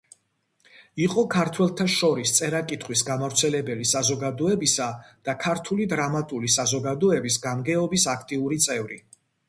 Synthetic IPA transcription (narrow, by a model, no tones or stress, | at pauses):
iqʼɔkʰaɾt̪ʰwɛlˠt̪ʰaʃɔɾist̪sʼɛɾakʼit̪ʰχwisɡamavɾt̪sʰɛlɛbɛlisazɔɡad̪ɔɛbisad̪̥akʰaɾt̪ʰulid̪ɾamat̪ʼulisazɔɡad̪ɔɛbisɡamɡɛɔbisakʰt̪ʼiuɾit̪sʼɛvɾi